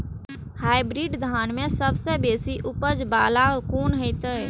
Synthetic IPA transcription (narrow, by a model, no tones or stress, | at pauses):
haːɪbɾiːɖd̪ʱaːnmẽsəbsebeːsiʔʊpəd͡ʒbaːlakuːnɦəɪt̪ə